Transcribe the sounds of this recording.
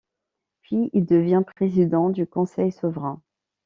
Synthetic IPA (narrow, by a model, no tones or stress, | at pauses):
pɥiild̪əvjɛ̃pχezid̪ɑ̃d̪ykɔ̃sɛjsɔvʁɛ̃